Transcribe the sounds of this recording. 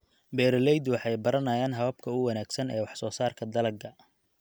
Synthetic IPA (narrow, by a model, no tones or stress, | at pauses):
bɛːɾɐlɛjd̪wɑħɑjbɐɾɐnɐːjaːnɦɐβɐb̚kʰɐʊwɑnaːɡsɐnɛːwɑħsɔːsaːrkʰɐd̪ɐlɐɡɐ